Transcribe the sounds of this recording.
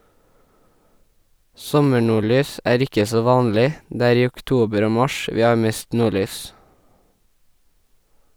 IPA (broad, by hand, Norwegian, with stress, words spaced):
ˈsɔməɳuːˌɭyːs ˈʔæːɹ ˈɪkə ˈsoː ˈʋɑːnlɪ ˈdeː ˈæːɾ ˈiː ˌʊkˈtuːbəɾ ˈoː ˈmɑʃ ˈʋiː ˈɑː ˈmeːst ˈnuːˌɭyːs